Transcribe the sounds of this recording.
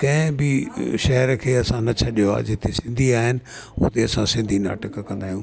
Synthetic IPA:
kɐ̃ɦɪ̃bɪʃɐɦəɾkʰeːɐsãnɐt͡ɕʰɐɗijoa̰ːd͡ʑɪt̪esɪ̃nd̪ʱiaːɦɪnɪ̆ | ʊ̰t̪eɐsãsɪ̃nd̪ʱina̰ːʈəkkɐ̃nd̪aːɦijũː

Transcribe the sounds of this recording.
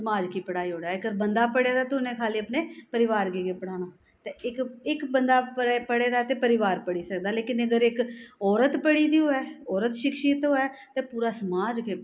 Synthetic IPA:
səmaːd͡ʒkiːpəɽaːiːɦoːɽaːɡəɾbənd̪aːpəɽeːd̪aːt̪ʊnẽːkʰaːliːəpneːpəɾɪʋaːɾɡeːkeːpəɽaːnaː | t̪eːɪkɪkbənd̪aːpəepəɽeːd̪aːt̪eːpəɾɪʋaːɾpəɽiːsəkd̪aːleːkɪnəɡəɾɪkɔːɾət̪pəɽiːd̪iːoːɛːɔːɾət̪ʃɪkʃiːt̪ɦoːɛːt̪eːpuːɾaːsəmaːd͡ʒkeː

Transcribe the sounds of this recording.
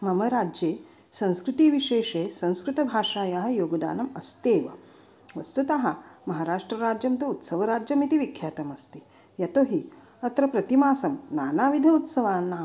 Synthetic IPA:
mɐmɐɾaːd͡ʒjeː | sɐ̃w̃skɾut̪iːʋiʃeːʂeːsɐ̃w̃skɾut̪ɐbʱaːʂaːjaɦɐ̆joːɡɐd̪a̰ːnɐmɐst̪eːʋɐ̰ | ʋɐst̪ut̪aɦɐmɐɦaːɾaːʂʈɾɐɾaːd͡ʒjɐmt̪uut̪sɐʋɐɾaːd͡ʒjɐmit̪iʋikʰjaːt̪ɐmɐst̪i̥ | jɐt̪oɦi | ɐt̪ɾɐpɾɐt̪imaːsɐmnaːnaːʋid̪ʱɐut̪sɐʋaːnːa

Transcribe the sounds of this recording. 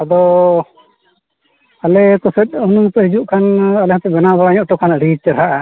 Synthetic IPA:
ad̪ɔ | alɛkɔsɛt̪̚ˀunut̪ɔɾid͡ʒuʔkʰanalɛhãt̪ɛbɛnabaɽaɲɔʔʈɔkʰanɾit͡ʃəɾɦaʔa

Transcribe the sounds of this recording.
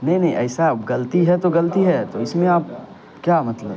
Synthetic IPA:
nɐɦĩnɐ̃ɦĩʔɐːsapɡɐlt̪iɦɛt̪oɡɐlt̪iɦɛt̪oɪsmẽaːp̚ | kjaːmɐt̪ləb

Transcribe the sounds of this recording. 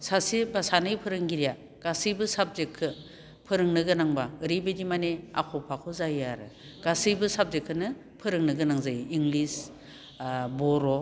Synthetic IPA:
sasibasanɯjpʰɯɾɯŋɡiɾija | ɡ̥asɯjbɯsap̚zekʰːɯ | pʰɯɾɯŋnɯɡɯnaŋbaɯɾibedimanea̰kʰɔpʰakʰɯzajaɾɯ̰ | ɡ̥asɯjbɯsab̚zekʰːɯnɯ | pʰɯɾɯŋnɯɡɯnaŋzajiŋlis | bɔɾɔ

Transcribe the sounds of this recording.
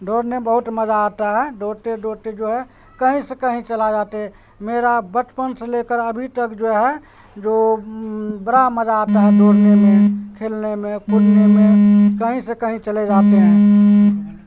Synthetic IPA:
ɖʱoɽnebəɦut̪məd͡ʒaːt̪aɦɛɖʱoɽt̪eɖʱoɾt̪ed͡ʒoɦɛ | kəɦĩsẽkəɦĩt͡ʃəlad͡ʒat̪eɦɛ | meɾabət͡ʃpənsẽlekəɾəbʱit̪əkd͡ʒoɛɦɛ | d͡ʒo | bəɾaməd͡ʒaːt̪aɦɛɖʱoɽnemẽkʰelnemẽkuɾnemẽkəɦĩsẽkəɦĩt͡ʃəlɛd͡ʒat̪eɦɛ̃

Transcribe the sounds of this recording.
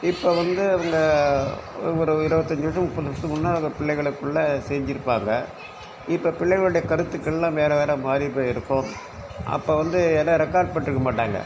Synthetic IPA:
ɪpːoːʋɐnd̪ɯɐʋɐŋɡɐ | ɔɾɯɪɾɯbɐt̪ːɐɲd͡ʒɯʋɐʂɐ̃mʊpːɐðɯʋɐʂɐ̃mʊnːaːɐʋɐŋɡɐpɪɭːɐɪɣɐɭɯkːɯɭːɐsɛːɲd͡ʒɪɾɯpːaːŋɡɐ | ɪpːoːpɪɭːɛɪɣɐɭɯɽɐjɐkɐɾɯt̪ːɯkːɛlːãːʋeːɾɐʋeːɾɐmaːɾipoːjɪɾɯkːʊ | ɐ̰pːoːʋɐnd̪ɯɛnːɐɾɛkːaːɾ̚pɐʈːɪɾɯkːɐmaːʈːaːŋɡɐ̰

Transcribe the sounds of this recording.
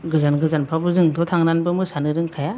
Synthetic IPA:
ɡɯzanɡɯzanpʰabɯzɯŋtʰɔtʰaŋnanbɯmɯsanɯɾɯŋkʰaja

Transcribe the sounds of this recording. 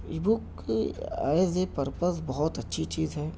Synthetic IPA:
ibuk | a̰ːezepəɾpəsbɔɦʊt̪ɐtːʃʰit͡ʃiːzɦɛː

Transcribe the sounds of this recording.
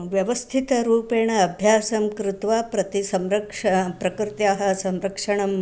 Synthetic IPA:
ʋjɐʋɐst̪ʰit̪ɐɾuːpeːɳɐɐbʱjaːsɐmkɾɪt̪ʋapɾɐt̪isɐmɾɐkʂɐpɾɐkɾɪt̪jaːɦɐsɐmɾɐkʂɐɳɐm

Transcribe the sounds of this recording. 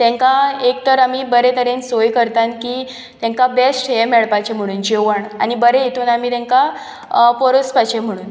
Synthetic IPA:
t̪ɛ̃ŋkaek̚t̪əɾamiːbəɾet̪ʰəɾensojkəɾt̪ankiː | t̪ɛ̃ŋkabesʈɦemeɭpajt͡ɕem̤əɽ̃uːnd͡ʑeʋəɳa̰nibəɾejet̪uːnamiːt̪ɛ̃ŋka | pɔɾospat͡ɕem̤əɽuːn

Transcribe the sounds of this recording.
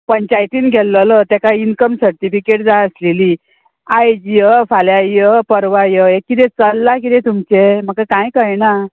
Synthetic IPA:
pəɲt͡ɕajt̪iːnɡʱɛlːələt̪ɛkainkəmsəɾt̪ifikeʈd͡zaəsleliː | ajd͡ʑijəfaljajəpəɾʋajəekːit̪ɛt͡səlːakit̪ɛ̃t̪umt͡ɕeməkakãjkəjna

